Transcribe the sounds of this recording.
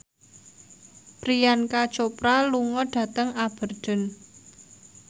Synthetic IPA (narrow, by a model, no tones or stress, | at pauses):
pɾijankat͡ʃopɾaluŋɔɖ̥ä̤t̪əŋab̥ə̤rd̥ə̤n